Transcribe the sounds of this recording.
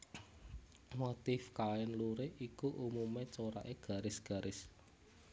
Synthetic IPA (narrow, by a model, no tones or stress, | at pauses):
mot̪ifkaɛnluɾeʔikuʔumumet͡ʃoɾa̰ʔeɡ̥a̤ɾɪsɡ̥a̤ɾʔɪs